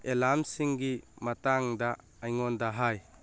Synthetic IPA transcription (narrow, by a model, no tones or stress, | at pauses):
elamsiŋɡimataŋd̪aː | jŋɔnd̪aɦaj